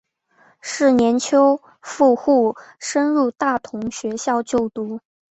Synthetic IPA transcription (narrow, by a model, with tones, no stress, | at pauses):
ʂɻ̩˥˩njɛ˧˥nt͡ɕʰjo˥ʊ | fu˥˧xu˥˩ʂə˥nɻu˥˧t̪a˥˩t̪ʰʊ˧˥ŋɕɥɛ˧˥ɕjɑ˥˧ʊt͡ɕjo˥˩ʊt̪u˥˩